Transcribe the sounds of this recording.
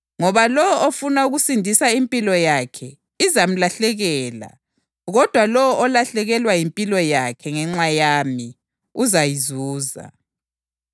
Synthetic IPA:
ŋɔβalɔwɔʔofunauɣusindʱisaimpʼilɔjakʰɛ | izam̩laɬɛɣɛːla̰ | ɣɔd̥ʱwalɔwɔʔɔlaɬɛɣɛlwajimpʼilɔjakʰɛŋɛŋ͡ǁajami | uzajizuːza̰

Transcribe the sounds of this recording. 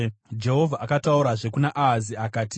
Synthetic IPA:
d͡ʒe̞ɦo̞vʱaʔakatauɾaʐe̞kunaʔaɦːziakaːti

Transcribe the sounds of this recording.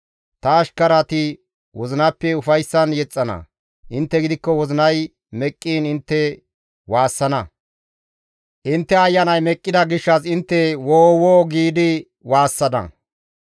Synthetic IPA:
t̪ɐːʃkɐɾɐt̪ɪ | wɔzɪnɐpːɛʊfɐjsːɐnjɛt͡sʼːɐnɐ̰ | ʔɪnt̪ːɛɡɪd̪ɪkːɔwɔzɪnɐj | mɛkʼːiːnɪnt̪ːɛ | waːsːɐnɐ | ʔɪnt̪ːɛɐjːɐnɐjmɛkʼːɪd̪ɐɡɪʃːɐsɪnt̪ːɛwoːwoːɡiːd̪ɪ | waːsːɐd̪ɐ̰

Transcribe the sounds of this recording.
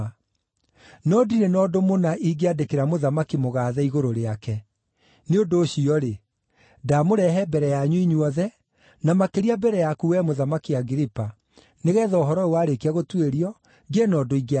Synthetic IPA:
nɔdiɾenɔdomonaʔiɡeadekeɾamoðamakimoɣaːðɛiɣoɾoɾeakɛ | neondoːɕiɔɾe | damoɾɛɦɛbɛɾɛjaɲuiɲwɔðɛ | namakeɾiabɛɾɛjakuwɛmoðamakiaɡiɾipa | neɣɛːðɔoɦɔɾɔewaɾekeaɣotweɾiɔ | ɡenɔdoiɡe

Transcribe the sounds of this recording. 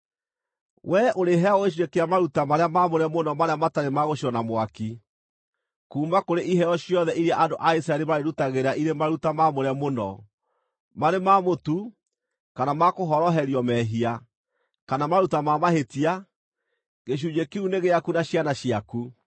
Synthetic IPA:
wʔɛʔoɾeɦɛaɔɣeʃ̬iwekeamaɾutamaɾeamamoɾɛmonɔmaɾeamataɾemaɣoɕiɾɔnamwaki | kuːmakoɾeʔiɦɛɔɕjɔðɛʔiɾiaʔandoʔaisaɛɾimaɾeɾutaɣeɾaʔiɾemaɾutamamoɾɛmonɔ | maɾemamotu | kanamakoɦɔɾɔɦɛɾiɔmɛɦia | kanamaɾutamamahetia | ɣeɕ̬uɲekeuneɣeakunaɕjanaɕiaku

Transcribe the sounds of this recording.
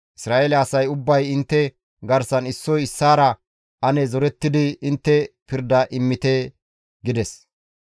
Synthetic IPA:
ʔɪsɾaːʔeːlɛɐsɐjʊbːɐjɪnt̪ːɛ | ɡɐɾsɐnɪsːɔjɪsːaːɾɐ | ʔɐnɛzɔɾɛt̪ːɪd̪ɪɪnt̪ːɛpɪɾd̪ɐʔɪmːɪt̪ɛ | ɡɪd̪ɛs

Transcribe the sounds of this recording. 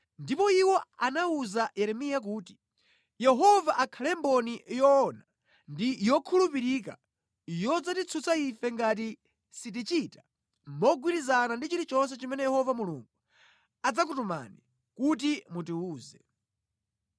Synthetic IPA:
ndipɔiwɔanauzajɛɾɛmijak̬uːti̥ | jɛɦɔvaʔakʰalɛmbɔnijɔːna | ndijɔkʰulupiɾik̬a̰ | jɔd͡zatit͡sʰut͡saifɛŋɡat̬i | sit̬it͡ʃita | mmɔɡwiɾizanandit͡ʃiɾit͡ʃɔns̬ɛt͡ʃimɛnɛjɛhɔvamuluŋɡu | ad͡zak̬utuma̰ni | kut̬imutiuːzɛ

